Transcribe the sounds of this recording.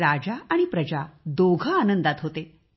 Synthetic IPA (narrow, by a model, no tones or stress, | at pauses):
ɾad͡ʑaaɽ̃ipɾəd͡ʑad̪oɡʱəanənd̪at̪ɦot̪e